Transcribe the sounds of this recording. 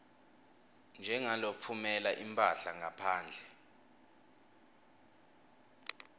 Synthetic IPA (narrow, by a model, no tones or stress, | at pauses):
nd͡ʒʱɛŋalofʰumɛlaʔimpʼaɬaŋapʰaːnd͡ɮʱɛ